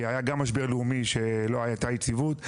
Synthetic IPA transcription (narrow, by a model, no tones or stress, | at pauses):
ajaɡamːaʃ̬beʁliumiʃeloajat̪ajit͡sivut̪